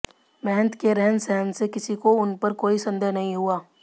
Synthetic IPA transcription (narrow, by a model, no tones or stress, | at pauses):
mɛɦnt̪keɾɛɦənsɛɦənsekɪsikoʊnpɐɾkoːisɐ̃nd̪əɦnɐɦĩɦuaː